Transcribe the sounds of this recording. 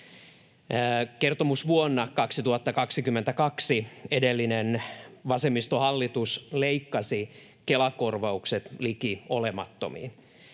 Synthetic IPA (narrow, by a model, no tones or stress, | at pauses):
kert̪omusʋuonːɑkɑksit̪uhɑt̪ːɑkɑksikymːent̪ækɑksiedelːinenʋɑsemːist̪ohɑlːit̪usleikːɑsi | kelɑkorʋɑukset̪likiolemɑ̰t̪ːo̰mḭːn